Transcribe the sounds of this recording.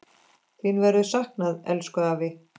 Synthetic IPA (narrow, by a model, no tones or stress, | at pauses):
θinvɛɾʏðsahknaðɛ̰lskœðavɪ